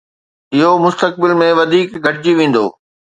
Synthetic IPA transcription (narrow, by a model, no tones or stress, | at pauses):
ɪɦomʊst̪ək̚bɪlmẽʋɐd̪ʱiːkɡʱɐʈɪd͡ʑiʋẽːn̆d̪o̰ː